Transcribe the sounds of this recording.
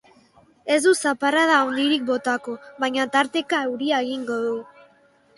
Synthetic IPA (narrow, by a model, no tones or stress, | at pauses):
e̞zd̪usapaɾað̞aownd̪iɾik̚bo̞t̪ako̞βajɲat̪aɾt̪e̞kaeuɾiaeɣiŋɡo̞ðu